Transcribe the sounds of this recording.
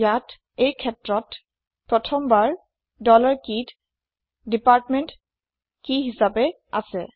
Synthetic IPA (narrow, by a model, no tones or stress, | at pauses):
jat | ejkʰɛtɹɔt | pɹɔtʰɔmbaɹ | dɔlaɹkit | dipaɹtmɛnt | kiɦisabɛ | a̰sɛ